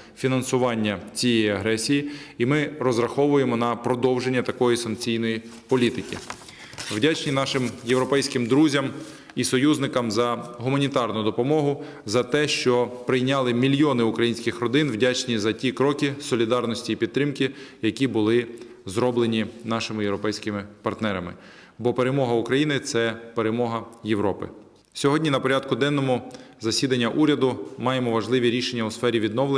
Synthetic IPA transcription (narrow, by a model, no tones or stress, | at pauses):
fʲinɐnsʊʋɑnʲːɐt͡sʲijɛjiɐɦɾɛsʲijiimɪɾɔzɾɐxɔʋʊjemɔnɐpɾɔd̪ɔwʒenʲːɐt̪ɐkɔjisɐŋk̚t͡sʲijnɔjipɔlʲit̪ɪkʲḭ | wdʲat͡ʃnʲinɑʃɪmjewɾɔpɛjsʲkɪmd̪ɾuzʲɐm | isɔjuznɪkɐmzɐɦʊmɐnʲit̪ɑrnʊd̪ɔpɔmɔɦʊ | zɐt̪ɛʃt͡ʃɔpɾɪjnʲɑlˠɪmʲilʲjɔnɪʊkɾɐjinʲsʲkɪxrɔd̪ɪnwdʲat͡ʃnʲizɐtʲikɾɔkʲɪsɔlʲid̪ɑrnɔsʲtʲiːpʲid̪̚t̪ːɾɪmkɪjɐkʲibʊlˠɪ | zɾɔblˠenʲinɑʃɪmɪjeʋɾɔpɛjsʲkɪmɪpɐrt̪nɛɾɐmɪ̰ | bɔpeɾemɔɦɐukɾɐjinɪt̪sɛpeɾemɔɦɐjeʋɾɔpɪ̰ | sʲɔɦɔdʲnʲinɐpɔɾʲɑd̪kʊd̪ɛnːɔmɔ | zɐsʲid̪ɐnʲːɐʔuɾʲɐd̪ʊmɑjemɔʋɐʒlˠɪʋʲiɾʲiʃenʲːɐusfɛɾʲiʋʲid̪nɔʋlˠe